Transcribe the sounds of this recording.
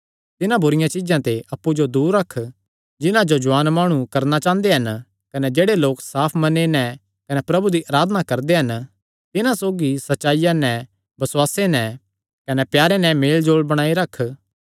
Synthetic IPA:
t̪ɪnãbʱʊɾɪjãt͡ʃɪd͡ʒãt̪eʔɐpːud͡ʒod̪uːɾːɐkʰ | d͡ʒɪnãd͡ʒod͡ʒʊaːnmaːɽ̃ũkɐɾnat͡ʃãːnd̪eɦɐn | kɐnɛd͡ʒeːɽeloːksaːpʰmɐnenɛ | kɐnɛpɾɐbud̪iʔaːɾaːd̪ənakɐɾd̪eɦɐn | t̪ɪnãsoːɡisɐtːʃaːɪjanɛ̃ | bɐswaːsenɛ̃ | kɐnɛpjaːɾenɛ̃meːld͡ʒoːɭbɐɽ̃aːiɾɐkʰː

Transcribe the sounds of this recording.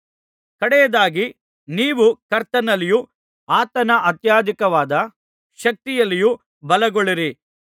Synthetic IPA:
kɐɽɛjɐd̪aːɡi | niːʋukɐɾt̪ɐnɐliju | aːt̪ɐnɐʔɐt̪jaːd̪ikɐʋaːd̪ɐ | ʃɐk̚t̪ijɐlːiju | bɐlɐɡoɭiɾi

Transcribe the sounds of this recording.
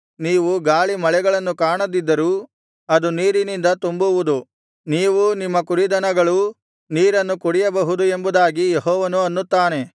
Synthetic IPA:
niːʋuɡaːɭimɐɭɛɡɐɭɐnːukaːɳɐd̪id̪ːɐɾuː | ɐd̪uniːɾinind̪ɐt̪umbuʋud̪u | niːʋunimːɐkuɾid̪ɐnɐɡɐɭu | niːɾɐnːukuɽijɐbɐɦud̪ue̞mbud̪aːɡijeɦɔːʋɐnuɐnːut̪ːaːne̞

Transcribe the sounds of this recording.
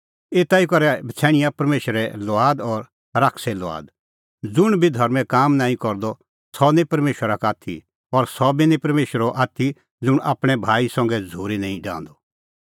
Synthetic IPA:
eːt̪aikɔɾɛbʱɐt͡sʰɛ̃ːɽ̃ɪjãpɐɾmeːʃəɾɛlɔaːd̪ɔɾ | ɾaːkʰsɛlɔa̰ːd̪ | d͡zʊɽ̃bʱid̪ʱɔɾmɛ̃kaːmnãːĩkɔɾd̪ɔ | sɔnɛ̃pɐɾmeːʃəɾakaːt̪ʰḭ | ɔɾsɔbʱinĩpɐɾmeːʃəɾɔʔaːt̪ʰi | d͡zʊɽ̃ʔa̰ːpɽ̃ɛbʱaːisɔ̃ŋɡɛd͡zʱuːɾinãːĩɖã̰ːnd̪ɔ

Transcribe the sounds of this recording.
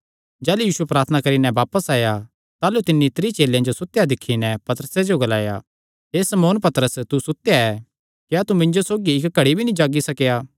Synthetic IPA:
d͡ʒɛːlujiːsuepɾaːɾt̪ʰənakɐɾinɛ̃ʋaːpəsaːja | t̪aːlut̪ɪnːit̪ɪɾit͡ʃeːljãd͡ʒosʊt̪ːjad̪ɪkʰːinɛpɐt̪ɾəsed͡ʒoɡɐla̰ːja̰ | ɦeːsɐmoːnpɐt̪ɾəst̪usʊt̪ːjaɛ | kiat̪umɪ̃ɲd͡ʒosoːɡiɪkɡʱɐɽibʱinĩd͡ʒaːɡisɐkjaː

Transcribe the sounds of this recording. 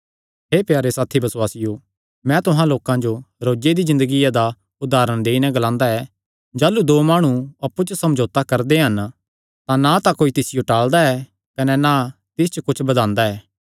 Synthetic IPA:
ɦeːpjaːɾesaːt̪ʰibɐswaːsɪjoː | mɛ̃t̪ʊɦãloːkãd͡ʒoɾoːd͡ʒed̪izɪ̃nd̪əɡijad̪a | ʊd̪aːɾəɽ̃d̪eːinɛ̃ɡɐlãːnd̪aɛː | d͡ʒaːlud̪oːmaːɽ̃uɐpːut͡ʃəsɐ̃md͡ʒoːt̪akɐɾd̪eɦɐn | t̪ãnat̪akoːit̪ɪsɪjoʈaːɭd̪aɛː | kɐnɛnat̪ɪs̬t͡ʃəkʊt͡ʃʰbɐd̪ãːnd̪aɛː

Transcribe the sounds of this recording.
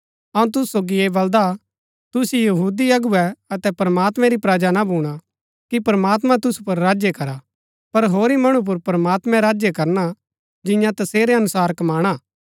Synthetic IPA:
ɐũt̪̬ʊsu̥soːɡieːbɐld̪a | t̪ʊsijɐɦuːd̪iɐɡʊɛɐt̪ɛpɾɐmaːt̪mɛ̃ɾipɾaːd͡ʒanabʱuːɽ̃a | kipɾmaːt̪̬mãt̪ʊsu̥pɐɾːaːd͡ʒjekɐɾa | pɐɾɦoːɾimɐɽ̃up̬ʊɾpɾɐmaːt̪mɛ̃ɾaːd͡ʒjekɐɾna | d͡ʒɪ̃jãt̪ɐseːɾeɐnʊsaːɾkmaːɽ̃aː

